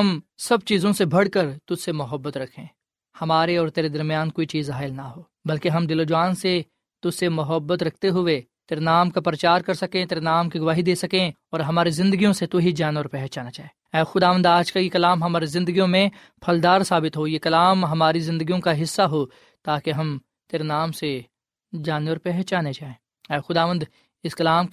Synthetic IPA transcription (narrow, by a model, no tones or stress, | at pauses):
ɦɐmsɐb̚t͡ʃiːzõsebʱɐɽkɐɾt̪ʊd͡ʒsemʊɦəbːət̪ɾɐkʰẽː | hɐmaːɾeɔːɾt̪eːɾed̪ɐɾmijaːnkoːit͡ʃiːzɦaːɪlnaɦoː | bɐlkeɦɐmd̪ɪlod͡ʒʋaːnse | t̪ʊd͡ʒsemʊɦəbːət̪ɾɐkʰt̪eɦʊe | t̪eːɾenaːmkapɾɐt͡ʃaːɾkɐɾsɐkẽt̪eːɾenaːmkiɡʊʋaːɦid̪eːsɐkẽɔːɾɦɐmaːɾizɪ̃nd̪əɡijõset̪oɦid͡ʒaːneɔːɾpɛɦt͡ʃaːnat͡ʃaːẽː | ɛːxʊd̪aːʋə̃nd̪aːd͡ʒkajekɐlaːmɦɐmaːɾizɪ̃nd̪əɡijõmẽ | pʰɐld̪aːɾsaːbɪt̪ɦojekɐlaːmɦɐmaːɾizɪ̃nd̪əɡijõkaɦɪsːaɦo | t̪aːkeɦɐm | t̪eːɾenaːmse | d͡ʒaːneɔːɾpɛɦt͡ʃaːned͡ʒaːẽː | ɛːxʊd̪aːʋə̃nd̪ | ɪskɐlaːm